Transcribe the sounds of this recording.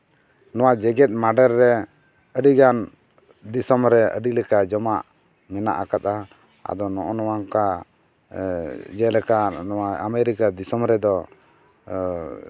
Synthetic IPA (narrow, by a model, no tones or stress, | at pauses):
nɔwaʔd͡ʒɛɡɛt̪̚ˀmaɖɛɾːɛ | əɖiɡan | d̪isɔmɾɛə̰ɖilɛkad͡ʒɔmaʔ | mɛna̰ʔakat̪̚a | a̰d̪ɔnɔʔɔnɔwaŋka | d͡ʒɛlɛkaɔaamɛɾikad̪isɔmɾɛd̪ɔ